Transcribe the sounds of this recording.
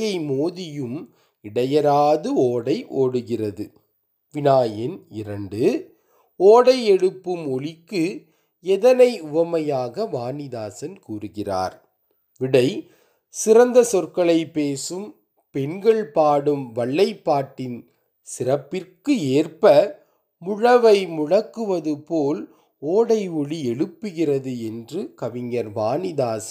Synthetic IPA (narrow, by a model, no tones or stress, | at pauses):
jɐɪmoːðɪjɯm | ɪɽɐjɐɾaːðɯoːɽɐɪʔoːɽɯɣɪrɐðɯ | ʋɪnaːjɐnɪɾɐɳɖɯ | oːɽɐɪɛɽɯpːɯmɔɭɪkːɯ | ɛðɐnɐɪʊʋɐmɐjaːɣɐʋaːnɪðaːsɐnkuːrɯɣɪra̰ːɾ | ʋɪɽɐɪ | sɪɾɐnd̪ɐsɔrkɐɭɐɪpːeːsɯm | pɛnɡɐɭpaːɽɯmʋɐɭːɐɪpːaːʈːɪn | sɪrɐpːɪrkɯeːrpɐ | mʊɻɐʋɐɪmʊɻɐkːɯʋɐðɯpoːl | oːɽɐɪɔɭiɛɻɯpːɯɣɪrɐðɯɛndrɯkɐʋɪŋːɐɾʋaːnɪðaːsɐ